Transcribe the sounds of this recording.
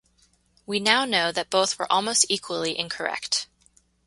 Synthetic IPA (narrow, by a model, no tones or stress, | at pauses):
winaʊnoʊðɨt̚b̥oʊθwə̰˞ʔɔlˠmoʊstikʰwəl̩ˠiʔɪ̃nkʰə˞ɛ̰kt